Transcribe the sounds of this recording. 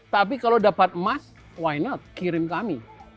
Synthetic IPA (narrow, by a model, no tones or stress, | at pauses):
t̪ap̬ikalodapat̪̚mas | wajnɔt̪̚kiɾɪmkami